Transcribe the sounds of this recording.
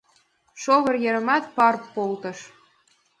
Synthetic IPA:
ʃoβɤ̆rjeɾə̆mɑt̪̚pɑrpːolt̪ɤ̆ʃ

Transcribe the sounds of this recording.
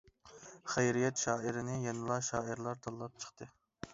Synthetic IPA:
χæjɾijɛt̪ʃɑːɪɾɪnɪjɛnɨlˠɑʃɑːɨɾlˠɑɾt̪ʰɑlˠːɑp̚t͡ʃʰə̥χt̪ʰɨ

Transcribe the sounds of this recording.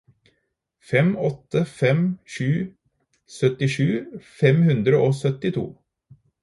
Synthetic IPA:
fɛmɔt̪ːəfɛmʃʉː | sœt̪ɪʂʉːfɛmhʉnd̪ɾəʔoːsœt̪ɪt̪ʰṵː

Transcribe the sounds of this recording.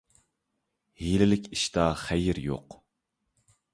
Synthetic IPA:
hilɪlɪkʲiʃt̪ɑχæjɪɾjo̰q

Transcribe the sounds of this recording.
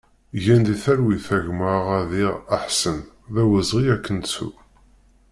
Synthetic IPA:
jænd̪iθæɾwiθæʝməʁæðiʁaħsən | ðæwəzʁiækʰːənsṵ

